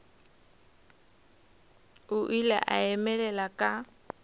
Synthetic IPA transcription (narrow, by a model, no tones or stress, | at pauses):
ʊʔilɛ̰ʔaɛmɛlɛlakʼa